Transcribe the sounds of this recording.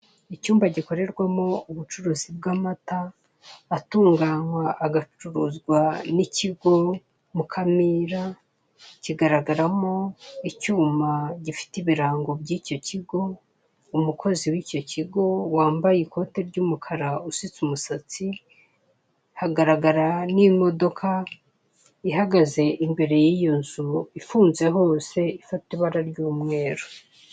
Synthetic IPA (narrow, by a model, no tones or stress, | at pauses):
icuːmbaɟiko̞ɾe̞ɾɡwamo̞uβut͡ʃuɾuːzib̚ɡaːmataː | tuːŋɡaːɲwaʔːɡat͡ʃuɾuzɡwaniciɡo̞ | mukʰamiɾa | ciɡaɾaɡaɾamo̞icuːmaɟifi̥tiβiɾaːŋɡobɟiːco̞ciɡo̞ | umukʰo̞ziwiːco̞ciɡo̞waːmbajikʰo̞te̞ɾɟuːmukʰaɾausit͡sumusat͡si | haɡaɾaɡaɾanimo̞do̞kʰa | ihaɡaze̞ʔimbe̞ɾe̞jiːjo̞nzuifuːnze̞ɦo̞ːse̞ifatiβaɾaɾɟuːmŋe̞ːɾo